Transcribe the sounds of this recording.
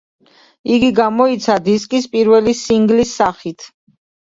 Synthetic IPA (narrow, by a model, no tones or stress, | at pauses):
iɡiɡamɔit̪sʰad̪iskʼispʼiɾvɛlisiŋɡlisːaχit̪ʰ